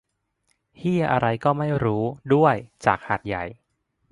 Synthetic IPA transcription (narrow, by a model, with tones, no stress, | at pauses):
hi˥˩ɐʔa˧ɾa˧jkɔː˥˩ma˥˩jɾuː˦˥du˥˩əjt͡ɕaː˨˩k̚ha˨˩t̪̚ja˨˩j